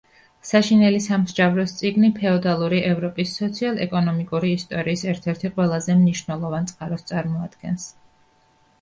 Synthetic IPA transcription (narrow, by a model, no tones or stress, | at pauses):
saʃinɛlisamzd͡ʒavɾɔst̪sʼiɡnipʰɛɔd̪alˠuɾiʔɛvɾɔpʼisːɔt̪sʰialˠɛ̰kʼɔnɔmikʼuɾiːst̪ʼɔɾiːsɛɾt̪ʰɛɾt̪ʰiqʼwɛlˠazɛmniʃvnɛlˠɔvant̪sʼqʼaɾɔst̪sʼaɾmɔad̪̥ɡɛns